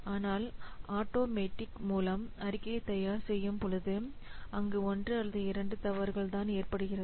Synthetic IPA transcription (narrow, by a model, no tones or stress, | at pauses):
aːnaːlaːʈoːmeːʈːɪkmuːlɐmɐɾɪkːɐɐt̪ːɐjaːɾsɛjːɯmpʊɻɐðɯɐŋɡeɔndrɯɐlːɐðɯɪɾɐɳɖɯt̪ɐʋɐɾɣɐɭt̪aːneːrpɐɽɯɣɪrɐ